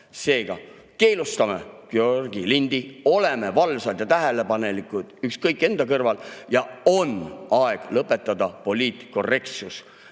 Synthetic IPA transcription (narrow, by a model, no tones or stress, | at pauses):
se̞ːɡ̥ɑ̰ | ke̞ːlust̪ɑmekeorɡ̥ilind̪̥io̞le̞me̞vɑlsɑd̪jɑt̪æɦele̞pɑne̞likˑud̪̥ykskɤjkˑːe̞nd̪̥ɑkɤrvɑljɑo̞nɑeɡ̥lɤpːˑe̞t̪ːˑɑd̪ɑpo̞lʲiːt̪ko̞re̞k̚t̪sus